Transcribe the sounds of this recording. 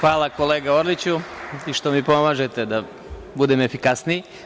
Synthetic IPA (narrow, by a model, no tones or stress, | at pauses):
xʋaːlˠako̞leːɡaoɾlit͡ɕuiʃt̪o̞mipo̞maːʒet̪ed̪a | bud̪emefikasnii